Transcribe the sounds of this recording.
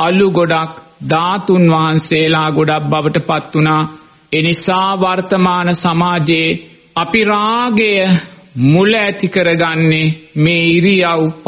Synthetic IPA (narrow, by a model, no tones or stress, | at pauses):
aluɡoɖakd̪aːt̪unʋaɦanseːlaːɡoɖak̚baʋəʈəpat̪ːunaː | enisaːʋart̪əmaːnəsamaːd͡ʒe | apiɾaːɡejəmuləæt̪ikəɾəɡanːemeːiɾijawp